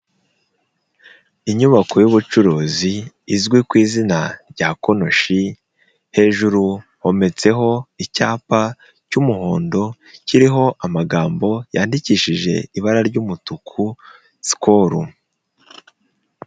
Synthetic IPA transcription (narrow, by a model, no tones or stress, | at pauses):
iɲuβako̞juβut͡ʃuɾoːziː | zɡwikwiːzinaɾɟaːko̞no̞ʃi | he̞ːʒuɾuho̞me̞t͡se̞ɦo̞icaːpa | cumuho̞ːndo̞ | ciɾiɦo̞ʔamaɡaːmbo̞jaːndiciːʃiʒe̞̰iβaɾaɾɟumutukʰu | si̥kʰoɾṵ